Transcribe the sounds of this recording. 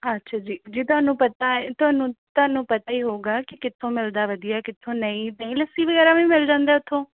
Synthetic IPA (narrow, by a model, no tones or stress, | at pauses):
ətːʃʰaːd͡ʒiːd͡ʒiːt̪ʊɦaːnũːpət̪aːt̪ʊɦaːnũːt̪ʊɦaːnũːpət̪aːiːɦoːɡaːkɪkɪt̪ʰːõːmɪld̪aːʋəd̪ɪjaːkɪt̪ʰːõːnəĩːnəĩːləsiːʋəɡɛːɾaːʋĩːmɪld͡ʒãːnd̪aːʊt̪ʰːõː